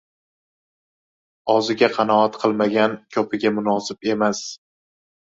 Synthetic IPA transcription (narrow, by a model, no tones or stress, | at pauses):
ɒzɪɡʲaqʰɑnɒat̪qʰɨlˠmaɡʲankʲʰɒpʰɪɡʲamʊnɒsɪbe̞mas